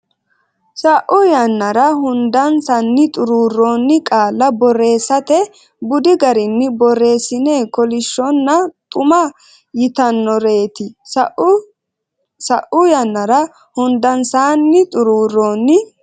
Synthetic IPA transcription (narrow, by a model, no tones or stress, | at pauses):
sɐʔʊjɐnːɐɾɐɦʊnd̪ɐnsɐnːɪt̪ʼʊɾuːroːnːɪkʼaːlːɐbɔre̞ːsːɐt̪ɛ | bʊd̪ɪɡɐɾɪnːɪbɔrːe̞ːsːɪneːkɔlɪʃːɔnːɐt̪ʼʊmɐ | jɪt̪ɐnːɔɾe̞ːt̪ɪsʔ | sɐʔʊjɐnːɐɾɐ | hʊnd̪ɐnsaːnːɪt̪ʼʊɾuːrːoːnːɪ